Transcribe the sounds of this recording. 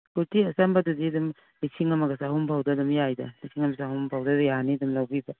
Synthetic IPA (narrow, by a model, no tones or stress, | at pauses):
kuɾtiɐsambɐdudiɐdum | liksiŋɐmɐɡɐsaɦumpʰawdɐdumjajdɐliksiŋɐmasaɦumpʰawdɐdjanidumlawbibɐ